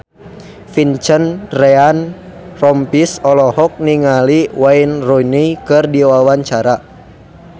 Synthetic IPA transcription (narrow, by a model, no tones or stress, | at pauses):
fint͡ʃənrɛanrɔmpisɔlɔɦɔk̚niŋaliwainrɔnikɨrdiwawaɲt͡ʃaɾa